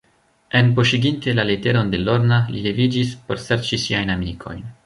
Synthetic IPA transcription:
e̞npoʃiɡinte̞lalete̞ɾo̞nde̞lo̞ɾnalilevid͡ʒispo̞ɾseɾt͡ʃisiajnamikʰo̞̰jn

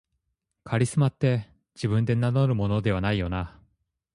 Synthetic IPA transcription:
kʰaɾʲisɨmat̪ːe̞ | d͡ʑibɯ̟̃nd̪e̞nanoɾɯ̟mo̞no̞d̪e̞β̞anaijo̞na

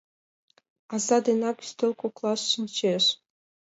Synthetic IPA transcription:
ɑzɑd̪enɑkʲy̥sʲt̪ʲelʲˠkoklˠɑsɕinʲt͡ɕeʂ

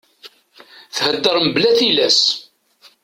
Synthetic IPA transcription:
θhəd̪ːəɾˤməblæθilæs

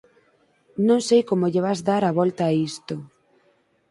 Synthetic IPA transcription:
nõŋsejkomoʎeβazðaɾaβɔlt̪aːist̪ʊ

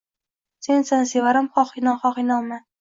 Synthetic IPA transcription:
sensansevaɾamχɒχinɒχɒχinɒma

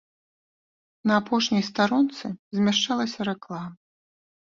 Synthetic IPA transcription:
nɐːpɔʂnʲijst̪aɾɔnt̪sɨzʲmʲaʂt͡ʂalˠɐsʲɐɾɛklˠamɐ

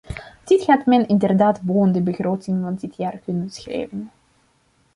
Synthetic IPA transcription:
d̥ɪtχaːtmɛnɪndərdaːtboːəndəbəxroːtɪŋvɑndɪtjaːrkɵnəbəsxrḛːjvən

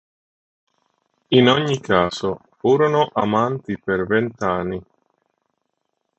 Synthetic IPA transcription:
inoɲːikaːzofuːɾonoʔamant̪ipervent̪anːi

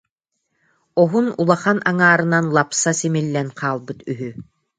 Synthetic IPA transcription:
ɔɦunulˠaχanaŋaːɾɯnanlˠapsasimilːɛnqʰaːlˠbɯt̪yɦy

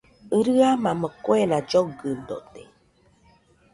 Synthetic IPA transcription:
ɨɾɨamãməkoeɾad͡ʒoɡɨnd̪o̰t̪ḛ

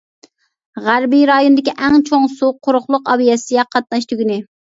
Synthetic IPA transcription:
ʁæɾbiɾɑjonɨd̪ɪkʲiʔɛŋt͡ʃʰoŋsuqʰːʊɾʊχlˠʊqɑbijɛsɪjɛqʰɑt̪̚nɑʃt̪ʰyɡʲinɪ

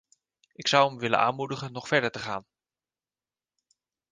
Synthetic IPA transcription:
ɪksʌwəmʋɪlə̰nʔa̰ːnmudəχənːɔχfɛɹdəɹtəχaːn

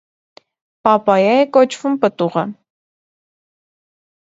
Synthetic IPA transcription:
pɑpɑjɑjɛkɔt͡ʃʰvumpət̪uʁə

